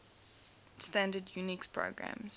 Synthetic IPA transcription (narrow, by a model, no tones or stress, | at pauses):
stæ̃ndədjunikspʰɹo̰ʊɡɹã̰mz̥